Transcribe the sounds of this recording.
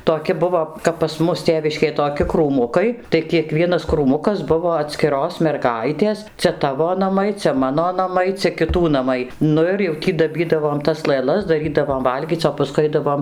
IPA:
toːˈkʲɪ ˈbʊʋoː kɐp pɐs ˈmʊs ˈtʲeːʋʲɪʃʲkʲeːj toːˈkʲɪ kruːˈmʊkɐɪ tɐɪ kʲiɛˈkʋʲiɛnɐs kruːˈmʊkɐs ˈbʊʋoː ɐtʲsʲkʲɪˈroːs mʲɛrˈɡɐɪtʲeːs ˈt͡sʲɛ ˈtɑːʋoː nɐˈmɐɪ ˈt͡sʲɛ ˈmɑːnoː ˈnɑːmɐɪ ˈt͡sʲɛ kʲɪˈtuː nɐˈmɐɪ ˈnʊ ɪr jɛʊ ˈtʲiː dɐˈbʲiːdɐʋoːm tɐs lˠɘˈlˠɐs dɐˈrʲiːdɐʋoːm ˈʋɐlʲɡʲiːt͡s oː pɐˈskʊɪ ˈɐɪdɐʋoːm

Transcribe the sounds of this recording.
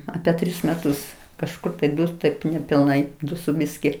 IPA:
ˈɑːpʲɛ ˈtʲrʲɪs mʲɛˈtʊs kɐʃˈkʊr ɐpʲɛ ˈdʊs tɐɪp nʲɛpʲɪlˠˈnɐɪ ˈdʊ sʊ ˈbʲɪsʲkʲɪ

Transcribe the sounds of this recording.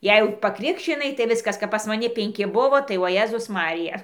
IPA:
ˈjɛɪ jɛʊ pɐˈkrʲɪkʃʲt͡ʃʲɪnɐɪ tɐɪ ˈʋʲɪskɐs kɐp pɐs mɐˈnʲɪ pʲɛŋʲˈkʲɪ ˈbʊʋoː tɐɪ oː ˈjeːzʊs ˈmɑːrʲɪjɛ

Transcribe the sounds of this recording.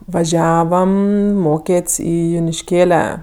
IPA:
ʋɐˈʒʲæːʋɐm ˈmoːkʲeːtʲsʲ ˈiː jʊnʲɪʃʲˈkʲeːlʲɛ

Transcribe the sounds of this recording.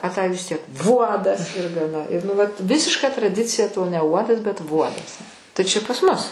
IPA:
ɐ tɐɪ ʋʲɪs ˈtʲiɛk ˈʋuɔdɐs ɪr ɡɐˈnɐ ɪ nʊ ˈʋɐt ˈʋʲɪsʲɪʃkɐ trɐˈdʲɪt͡sʲɪjɛ toː nʲɛ ˈuɔdɐs bʲɛt ˈʋuɔdɐs tɐɪ ˈt͡ʃʲɛ pɐs ˈmʊs

